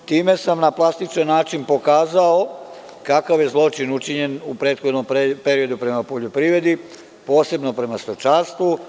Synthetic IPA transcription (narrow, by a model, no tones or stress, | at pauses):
t̪iːme̞samnaplˠast̪it͡ʃanːaːt͡ʃinpo̞kaːzao | kakaʋje̞zlˠo̞t͡ʃinut͡ʃiɲe̞nupɾe̞ːt̪xod̪nompe̞ɾio̞d̪upɾe̞mapoʎo̞pɾiːʋɾe̞d̪i | po̞ːse̞bno̞pɾe̞mast̪ot͡ʃaɾst̪ʋu